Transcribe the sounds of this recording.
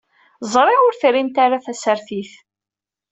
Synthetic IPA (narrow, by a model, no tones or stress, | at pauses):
zˤɾˤɪʊɾθɾint̪aɾaθæsəɾθiθ